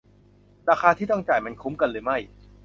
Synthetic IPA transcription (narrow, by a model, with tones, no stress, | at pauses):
ɾaː˧xʰaː˧t̪ʰiː˥˩t̪ɔ˥˩ŋt͡ɕaː˨˩jma˧nkʰu˦˥mka˧nlɤː˧jma˥˩j